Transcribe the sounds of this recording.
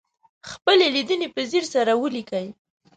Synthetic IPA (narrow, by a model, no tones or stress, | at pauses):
xpəlelid̪ənepəziɾsaɾawəlikəj